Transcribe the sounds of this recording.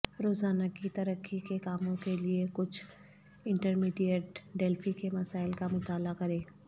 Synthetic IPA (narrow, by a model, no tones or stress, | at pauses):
ɾoːzaːnakit̪ɐɾəkʰːikekaːmõkeliekʊt͡ʃʰ | ɪ̃ɳʈəɾmiːɖijəʈɖeːlfʰikemɐsaːɪlkamʊt̪aːlakɐɾẽː